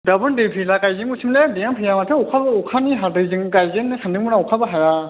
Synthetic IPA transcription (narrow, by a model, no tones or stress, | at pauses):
dabɯndepʰilakajzɯŋusʰimledejampʰɯjamatʰɯɔkʰabaukʰaniɦadɯzɯŋkajzenɯsʰandɯŋmɯnaɔkʰabaɦaɾa